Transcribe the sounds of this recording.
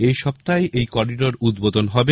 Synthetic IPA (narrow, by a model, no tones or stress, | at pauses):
ejʃɔb̚t̪aeejkɔɾiɖoɾud̪bod̪onɦɔbe